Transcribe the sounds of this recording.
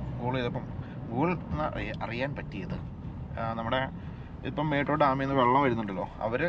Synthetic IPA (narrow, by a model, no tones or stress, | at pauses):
ɡuːɭɐjiðepːɐm | ɡuːɭɐt̪nːɨʔɐrijaːnpɐtːijɐðɨ | nɐmːuɽe̞ | ipːɐmːeːʈːroːɖaːmɐjɐnːɨʋeɭːɐmʋɐɾunːuɳɖɐlːo̞ːɐ̰ʋɐɾ